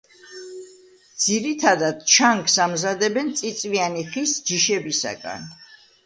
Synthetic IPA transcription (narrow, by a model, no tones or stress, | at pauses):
d̪z̥iɾit̪ʰad̪ad̪̥t͡ʃʰaŋksamzad̪ɛbɛnt̪sʼit̪sʼvianiχisd͡ʒiʃɛbisa̰ɡa̰n